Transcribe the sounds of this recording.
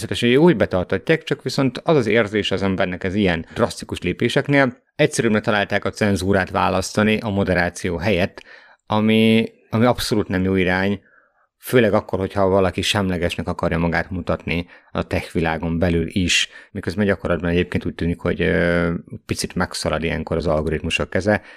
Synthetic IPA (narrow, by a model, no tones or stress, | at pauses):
sɛt̪ɛʃɛøuːɟbɛt̪ɒrt̪ɒcːaːkt͡ʃɒkʋiso̞nt̪ɒzɒzeːrzeːʃɒzɛmbɛrnɛkɛzijɛnd̪rɒst̪ikuʃleːpeːʃɛkneːl | ɛct̪sɛɾybɾɛt̪ɒlaːlt̪aːkɒt̪sɛnzuːɾaːt̪ʋa̰ːlɒst̪ɒniʔɒmo̞d̪ɛɾaːt̪sijoːɦɛjɛt̪ː | ɒmi | ɒmiɒpso̞luːt̪nɛmjoːiɾaːɲ | føːlɛɡɒkːo̞rho̞chɒvɒlɒkiʃɛmlɛɡɛʃnɛkɒkɒɾjɒmɒɡaːt̪mut̪ɒt̪niɒ̰t̪ɛxʋilaːɡo̞mbɛlylʔiʃmikøzbɛnɟɒko̞rlɒd̪̚bɒnɛɟeːpkeːnt̪uːc̚t̪yːnikho̞̰ɟ | pit̪sit̪mɛksɒlɒd̪ijɛ̰ŋko̞ɾɒzɒlɡo̞ɾit̪muʃokːɛzɛ